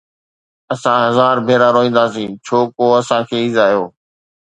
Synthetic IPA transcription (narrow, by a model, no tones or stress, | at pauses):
əsãːɦəzaːɾbʱeːɾaːɾoɦĩːn̆d̪aːsĩːt͡ʃʰoːkoːəsãːkʰeːizaːijoː